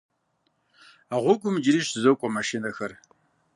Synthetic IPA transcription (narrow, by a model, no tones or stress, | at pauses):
aʁʷɔɡʷʼʊmd͡ʒɪɾiːɕzɐwkʷʼɔmaʃinɐxɐr